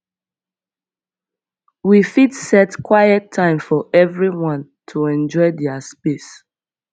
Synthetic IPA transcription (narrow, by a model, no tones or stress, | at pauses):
wifidsɛtkwajɛtʰːãɪ̃mfɔʔɛvɹiwɔ̃n | tʰuɛ̃nd͡ʒɔɪdɛaspes